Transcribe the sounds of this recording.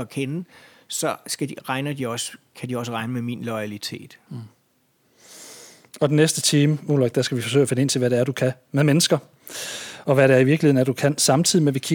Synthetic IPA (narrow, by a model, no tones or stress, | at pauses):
ɒkʰenəsɒsɡ̥æd̥iʁɑ̈ɪnɐd̥iɒ̽skʰædiɒ̽s̬əʁɑ̈ɪnəmeminlɔɪælit͡sʰe̝̰ːd̥ | ɒ̽d̥enesd̥ət͡sʰiːməulɒɡ̥̚d̥æsɡ̥æʋifɒ̽s̬ø̰ɐfe̝nəe̝n̰t͡sʰe̝ʋæɾeæɐɾ̥ukʰæ | meðˠmenəsɡ̥ɐ | ɒ̽ʋæɾæːɐiʋiɐɡ̥liheð̰ˠnæɐd̥ukʰæn̰sɑ̈mt͡sʰið̰ˠimeʋikʰi